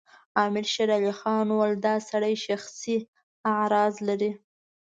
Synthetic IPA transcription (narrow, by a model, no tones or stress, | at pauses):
ɑmɪɾʃaɾalixɑnwald̪ɑsaɽajʃaxsi | aʕɾɑzlaɾi